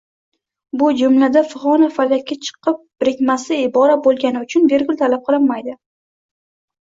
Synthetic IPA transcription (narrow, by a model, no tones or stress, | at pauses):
bʊd͡ʒʊmlad̪afɪʁɒnafalːakʲʰːat͡ʃʰɨ̥qɨp̚bɾɪkʲmasɪɪbɒɾat̪̚bolˠɡʲanɪʊt͡ʃʰʊnbe̞ɾɡʲʊlˠt̪ʰalap̚qʰɨlˠɪnːajd̪ɪ